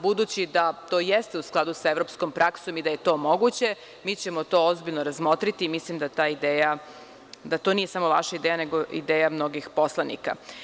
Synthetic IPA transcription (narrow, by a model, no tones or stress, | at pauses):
bud̪ut͡ɕid̪at̪o̞ːjest̪eusklˠad̪usaeʋɾo̞psko̞mpɾʔakso̞mid̪aje̞t̪o̞ːmo̞ɡut͡ɕe̞ | miːt͡ɕe̞mot̪o̞ozbiʎnoɾazmo̞t̪ɾit̪iːmislimd̪at̪aːid̪eːja | d̪at̪o̞nijesamo̞la̰ʃaid̪ejane̞ɡoḭd̪eːjamno̞ɡixpo̞slˠanḭka̰